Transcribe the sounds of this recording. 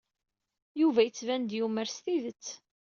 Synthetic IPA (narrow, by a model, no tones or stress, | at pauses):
juvæjət͡sːvænd̪juməɾst̪iðət͡sː